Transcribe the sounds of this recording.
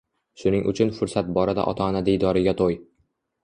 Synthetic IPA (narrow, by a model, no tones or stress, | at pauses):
ʃʊnɪŋʔʊ̰t͡ʃʰʊnfʊɾsat̪̚bɒɾad̪a̰ʔɒ̰t̪ʰaɒnad̪ejd̪ɒɾɪɡʲat̪ʰoj